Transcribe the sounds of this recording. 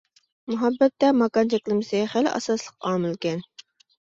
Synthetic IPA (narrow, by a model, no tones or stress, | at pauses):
mʊɦɑbːɛt̪ːɛmɑkɑnt͡ʃʰɛkʲlˠɨmɨsɪχælʔɑ̰sɑslˠəqɑːmɨlˠkʲɛn